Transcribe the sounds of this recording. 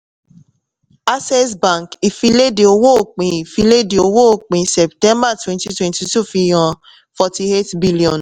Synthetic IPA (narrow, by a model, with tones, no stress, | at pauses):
a˦sɛ˦sbã˨ki˨fi˧˦le˦de˨o˨wo˦˨k͡pĩ˨fi˧le˦de˨o˨wo˦˨k͡pĩ˨sɛ˨p̚tɛ̃˦mba˦˨twɛ̃˦nti˦twɛ̃˦nti˨tu˦fi˧jɔ̃˨ | fɔ˦ti˦e˦tbi˦li˨ɔ̃˨n